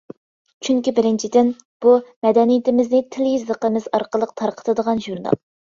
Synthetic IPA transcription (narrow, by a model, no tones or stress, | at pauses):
t͡ʃʰyŋkʲibɪɾɪnt͡ʃʰid̪ɪn | b̥umɛd̪ɛnijɪt̪ɪmɪznɪt̪ʰɪljizəqəmɪzɑɾqʰəlˠəq̚t̪ʰɑɾqʰə̥t̪ʰɨd̪əʁɑnʒuɾnɑ̰lˠ